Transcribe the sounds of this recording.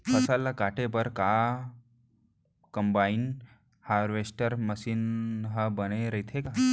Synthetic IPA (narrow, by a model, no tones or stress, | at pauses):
pʰəsalːakaʈepəɾka | kəmbain | haɾʋesʈəɾməsiːnɦəbəneɾəjt̪ʰeka